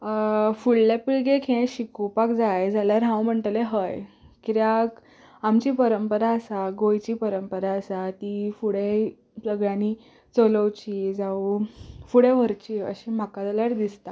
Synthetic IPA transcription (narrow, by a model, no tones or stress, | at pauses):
fuɭlepiɭɡekʰẽɕikupakd͡zajd͡zaljaɾɦãwm̤əɳʈleɦəjkiɾjak | amt͡ɕiːpəɾəmpəɾaəsaɡojt͡ɕiːpəɾəmpəɾaəsat̪ifuɽe | pɾəɡɭjãni | t͡soləwt͡ɕid͡zaufuɽeʋ̤əɾt͡ɕiə̰ɕim̤akad͡zaljaɾd̪ist̪a